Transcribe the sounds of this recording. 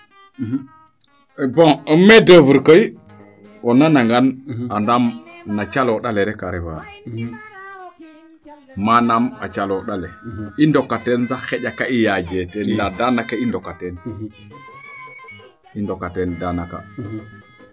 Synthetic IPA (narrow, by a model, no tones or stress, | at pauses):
bɔ̃ɔmːɛdəvuɾkəj | wɔnːanaŋɡanandamnat͡ʃalɔɗalɛɾɛkaɾɛva | manama̰t͡ʃalɔɗalɛindɔkːatɛnzaxɛɟakaijad͡ʒɛtɛnladanakaindɔkːatɛn | indɔkatɛndanaka̰